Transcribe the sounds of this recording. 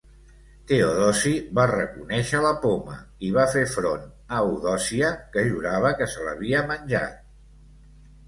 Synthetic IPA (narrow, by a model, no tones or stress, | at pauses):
t̪eoðɔsiβarəkunɛʃələpomə̰iβafefɾon | əuðɔsiəkəʒuɾaβ̞əkəsələ̰βiəmənʲʒa̰t̪̚